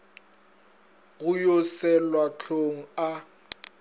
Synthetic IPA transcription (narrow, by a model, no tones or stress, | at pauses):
ɣʊjɔsɛlwat͡ɬʰoŋ̩a